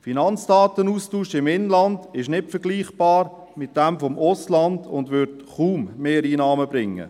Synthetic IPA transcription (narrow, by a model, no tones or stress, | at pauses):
finɑnt͡sd̥ɑːtənuːstuːʃɪmɪnlɑnd̥ɪʃnɪtfəɾɡliːχb̥ɑːɾ | mɪt̚d̥ɛmfɔmʊslɑndʊ̰ndʋʏɾtχuːmːeːɾiːnɑːməbɾɪŋːə̰